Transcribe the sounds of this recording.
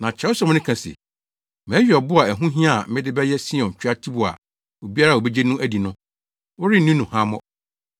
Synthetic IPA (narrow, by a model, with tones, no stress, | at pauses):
nã˨t͡ɕʰɛ˨˦ʊ˦sã˨m̃˦nɪ̃˦kʰã˨sɛ̰˨ | mæ̃ː˨˦ɥᶣi˨ɔ˨bʊ˦a˨æ˨ɦũ˦ɦĩ˦a˦˨m̩˦mɪ̃˦dɪ˦bɛ˦jɛ˦si˦ɔ̃˨ɲ̩˨t͡ɕᶣa˦tʰi˦bʊ˨a̰˨ | o˨bi˦a˦ɾa˦˨o˨bɛ˦d͡ʑe˦nũ˦ʔæ˦di˨nʊ̃˦ | wʊ˦ɾɪ˦nũ˦nũ˨hã˦mɔ̰̃˦